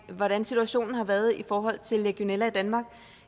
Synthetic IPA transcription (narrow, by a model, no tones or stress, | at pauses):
ʋɒɾ̥ænsit͡sʰuæɕo̝̰ːnn̩hɑ̈ʋæɐð̞̩ˠifɒːɦɒ̽l̰t͡sʰe̝lːeɡ̥io̝nelæid̥ænmɑ̈ːɡ̥